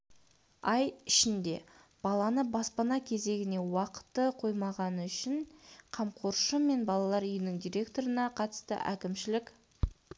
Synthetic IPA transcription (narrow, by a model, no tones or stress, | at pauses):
ɑjɪʃɪnd̪e̞̰ | b̥ɑlˠɑnəbɑspɑnɑkʲʰe̞ze̞ɡʲɪne̞wɑqə̥t̪ːəqʰo̞jmɑʁɑnəʏʃɪɴqʰɑmqʰoɾʃəme̞nbɑlˠɑlˠɑɾʏjɪnɪŋd̪ijɾʲe̞kt̪o̞ɾənɑqʰɑt̪ə̥st̪ə̰ʔæ̰kʲɪmʃɪlɪkʲ